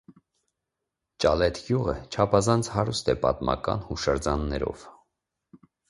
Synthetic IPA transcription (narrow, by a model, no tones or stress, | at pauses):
t͡ʃɑlɛt̪ʰɡjuʁət͡ʃʰɑpʰɑzɑnt͡sʰhɑɾust̪ɛpɑt̪mɑ̰kɑ̰nhuʃəɾd͡zɑnːɛɾɔ̰v̥